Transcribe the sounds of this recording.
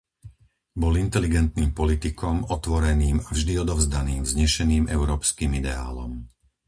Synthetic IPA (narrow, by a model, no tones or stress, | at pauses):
bɔlint̪ɛliɡɛnt̪niːmpɔlit̪ikɔmɔt̪ʋɔɾɛniːmavʒd̪iɔd̪ɔʊzd̪aniːmzɲɛʃɛniːmɛʊɾɔːpskiːmid̪ɛa̰ːlɔ̰m